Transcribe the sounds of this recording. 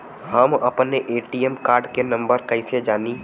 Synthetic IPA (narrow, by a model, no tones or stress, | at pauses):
ɦɐmɐpneʔeːʈijɛmkaːɾɖkenɐ̃mbəɾkɐɪsed͡ʒaːni